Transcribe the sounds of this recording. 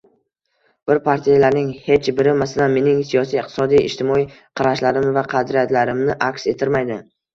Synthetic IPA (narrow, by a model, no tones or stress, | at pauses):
b̥ɪɾpʰaɾt̪ʰijalaɾnɪŋhe̞t͡ʃbɪɾɪmasalanme̞nɪŋsijɒsijqt̪ʰɪ̥sɒd̪ijɪ̰ʃt̪ʰɪmɒij | qʰɑɾaʃlaɾɪmvaqʰɑd̪ɾijat̪laɾɪmnɪʔakʲse̞t̪ʰɪɾmajd̪ɪ